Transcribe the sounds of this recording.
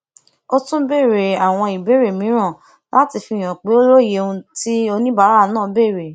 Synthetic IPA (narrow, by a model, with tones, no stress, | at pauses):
o˦˧tũ˦be˦˨ɾe˨a˨w̃ɔ̃˧i˨be˨˦ɾe˨mĩ˨˦ɾ̃ã˦˨ | la˦ti˧fi˧˨j̃ã˨k͡pe˨˦o˦lo˦˨je˨˦ũ˧ti˦o˧nĩ˦ba˦ɾa˦˧˦nãː˦˨be˦˨ɾe˨